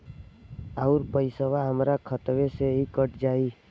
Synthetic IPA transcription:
əʊɾpəɪsəʋaɦəmɾakʰət̪ʋeseɦikəʈd͡ʒaːi

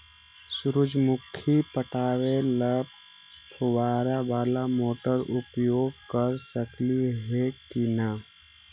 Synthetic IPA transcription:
sʊɾʊd͡ʒmʊkʰipəʈaːweləb̚ | pʰuwaːɾabaːlamoːʈəɾʊpjoːɡ̚kəɾsəkliɦekina

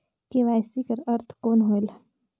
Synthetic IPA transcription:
keʋaːjsikəɾɐɾt̪ʰkoːnɦoːɪl

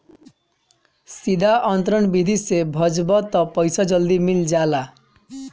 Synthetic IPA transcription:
sid̪ʱaʔɔnt̪ɾɔnbid̪ʱisebʱɔd͡ʒbɔt̪ɔpɔjsɔd͡ʒɔld̪imild͡ʒala

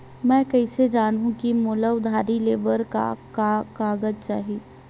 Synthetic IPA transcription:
mɛ̃ːkɐised͡ʒaːnɦũkimoːləʋd̪ʱaːɾileːbəɾka̰kakaːɡəd͡ʒt͡ʃa̰ːɦiiː

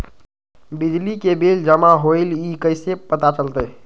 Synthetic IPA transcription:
bid͡ʒlikebeld͡ʒəmaɦoɪlikəɪsepət̪at͡ʃəlt̪əj

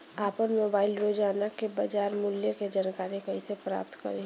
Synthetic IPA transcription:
aːpəɾmoːbaːɪlɾoːd͡ʒaːnakebad͡ʒaːɾmʊljeked͡ʒaːnkaːɾekɐisepɾa̰ːpt̪kɐ̰ɾe

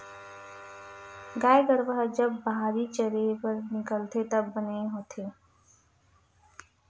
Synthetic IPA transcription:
ɡaːeɡəɾʋəɦd͡ʒəbːəɦaːɾit͡ʃəɾepəɾnɪkəlt̪et̪əbːəneɦoːt̪ʰeː

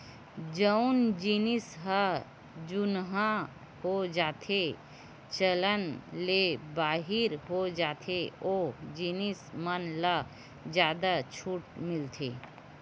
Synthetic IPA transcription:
d͡ʒəʊnd͡ʒinɪsɦə | d͡ʒʊnɦã | hod͡ʒaːt̪ʰe | t͡ʃələnlebaːɦɪɾɦod͡ʒaːt̪ʰeod͡ʒinismənla | d͡ʒjaːd̪at͡ʃʰuːʈmɪlt̪ʰḛ

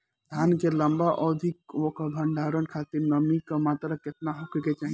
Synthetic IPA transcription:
d̪ʱaːnkeləmbaʔɔːd̪ʱɪkokabʱə̃ɳɖʱaːɾənkʰaːt̪ɪɾnəmikamaːt̪ɾakɪt̪naɦokket͡ʃaːɦi

